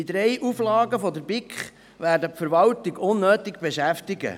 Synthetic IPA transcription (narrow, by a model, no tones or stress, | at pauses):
id̪ɾɛjʔuflɑːɡəfɔd̪əɾbɪkχ | ʋæːɾdəpfəɾʋɑltiɡʊnːøːtɪɡb̥eʃæftɪɡə̰